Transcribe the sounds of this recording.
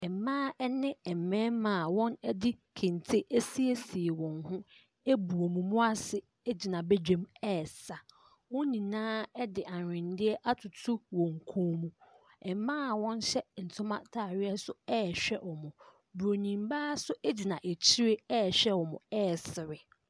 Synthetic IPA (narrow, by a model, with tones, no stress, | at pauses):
ɛ˨mãː˦ɛ˦nɪ̃˦ɛ˨m˨mɛ̃ː˦mã˨wɔ̃˦nɛ˦dɪ˦kʰɪ̃˨ntʰɪ˦ʔæ˦si˦e˦si˨e˨wɔ̃˨nhʊ̃˦ | e˦bu˨o˨mũ˨mʊ̃˦a˦sɪ˦ | ɛ˦d͡ʑi˨nã˨bɛ˦d͡ʑᶣẽ˦mɛː˦˨sa˨ | wɔ̃˦nĩ˨nãː˦ɛ˦dɪ˨ʔa˨ɪ̃˨ndɪ˦ɛ˦ʔa˦tʰʊ˨tʰʊ˦wɔ̃˨ŋ˨kʰõː˦mũ˦ | ɛ˨mãː˦˨wɔ̃˦n˦ɕɛ˦n̩˨tʰʊ̃˦mã̰˦tʰa˨ɥɪ˦ɛ˦sʊ˦ɛː˦ɕᶣɛ˦wɔ˨mʊ̃˨ | bu˨ɾo˨nĩ˨mba˦sʊ˦ʔe˦d͡ʑi˨nã˨ʔe˨t͡ɕʰi˦ɾe˦ɛː˦˨ɕᶣɛ˦wɔ˨mʊ̰̃˨ɛː˦˨sɪ˨ɾɪ˨